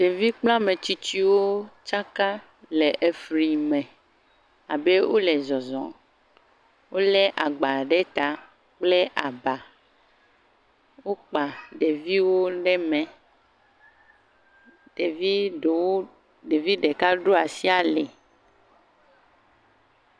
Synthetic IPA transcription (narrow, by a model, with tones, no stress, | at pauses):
ɖe˨vi˦k͡pl̃ã˦mẽ˨t͡ɕi˦t͡ʃi˦wo˦t͡ʃa˦ka˦ | le˨ʔe˨fɾi˨mɛ̃˨ | a˨be˦wʔo˦lɛ˨zɔ˨zɔ̰̃˨ | wo˦lɛ˦ʔa˨ɡ͡ba˨ɖɛ˦t̪a˨ | k͡ple˦ʔa˨ba˨ | wo˦k͡pa˨ɖe˨vi˦wo˦ɖɛ˦mɛ̃˨ | ɖ̥e˨vi˦o˨wo˦ | ɖe˨vi˦ɖe˨ka˦ɖo˦a˨si˦a˨lɛ˨